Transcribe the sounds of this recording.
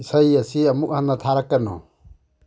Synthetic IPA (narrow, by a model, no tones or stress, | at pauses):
sajasiamuk̚hanat̪ʰaɾakːanɔ̰